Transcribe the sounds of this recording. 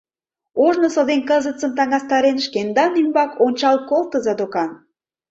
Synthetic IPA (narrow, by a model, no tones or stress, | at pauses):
oʒnosod̪enkəzət͡səmt̪ɑŋɑst̪ɑɾenʃkend̪ɑnymbɑkonʲt͡ɕɑlkolt̪əzɑd̪okɑn